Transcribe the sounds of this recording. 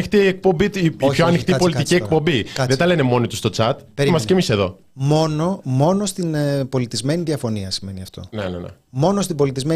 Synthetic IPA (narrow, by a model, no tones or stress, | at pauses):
ixt̪iek̚po̞mbioçoɐnixt̪ipo̞lit̪iciek̚po̞mbiɐðet̪ɐle̞nemo̞nit̪ust̪o̞t͡sɐt̪peɾimɐscemise̞ðo̞̰ | mo̞nomo̞nost̪inpo̞lit̪izme̞niðiɐfo̞niɐsime̞niɐft̪o̞̰nenḛnḛmo̞nost̪ibo̞lit̪izme